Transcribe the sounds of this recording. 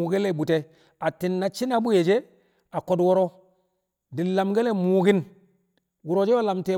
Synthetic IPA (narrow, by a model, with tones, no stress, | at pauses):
u˨ɡe˦le˦˨ɓu˨te˦ | a˨ti˨nːa˨t͡ʃi˦na˦ɓu˦je˨d͡ʒe˦ | a˨ko˨dwo˦ɾo˦ | di˨la˨mɡe˦le˦mu˨ɡi˦n | wu˨ɾo˨˦d͡ʒe˦wa˦la˨mte˨